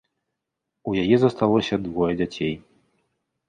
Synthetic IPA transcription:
ujajɛzɐst̪alˠɔsʲɐd̪vɔjɛd͡zʲat͡sʲej

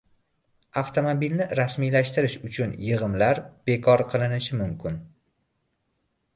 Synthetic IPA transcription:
aft̪ʰomobilnɪɾasmijlaʃt̪ɪɾɪʃʊt͡ʃʰʊnjɨʁɨmlaɾb̥e̞kʰɒɾqʰɨlˠɪnɪʃɪmʊmkʲʰɪn

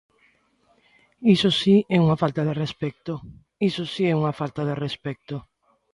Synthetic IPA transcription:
isosiɛuŋafalt̪aðerespɛk̚t̪o | isosiɛuŋafalt̪aðerespɛk̚t̪o

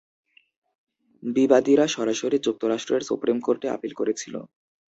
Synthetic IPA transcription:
bibad̪iɾaʃɔɾaʃoɾid͡ʑuk̚t̪ʰoɾaʃʈɾeɾsṵpɾimkoɾʈea̰pilkoɾet͡ɕʰilo̰

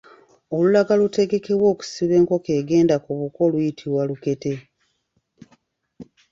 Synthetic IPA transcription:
o̞lulaɡalute̞ɡe̞ke̞βwo̞ːku̥siβe̞ːŋko̞keːɡe̞ːndakuβuko̞lujitʰiβwaluke̞te̞

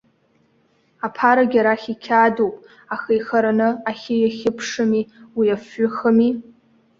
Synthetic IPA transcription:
apʰaɾaɡʲaɾaχʲikʲʰadowpʼ | axejxaɾanɨaχʲejaχʲɪpʰʂɨmiwijafːʊxəmi

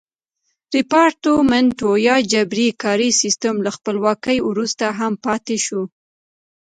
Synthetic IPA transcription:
ɾɪpɑɾʈomɛnʈojɑd͡ʒabɾikɑɾisist̪əmlaxpəlwɑkəjwɾust̪aɦampɑt̪eʃu

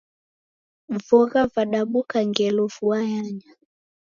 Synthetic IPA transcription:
vɔɣavaɗaɓukaŋɡɛlɔfuajaɲa

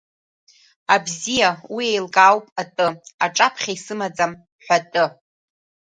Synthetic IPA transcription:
abzijawiejlkʼawpʼatʼɨaʈ͡ʂʼapʰχʲaisɨmad͡zam | ħʷᶣatʼɨ

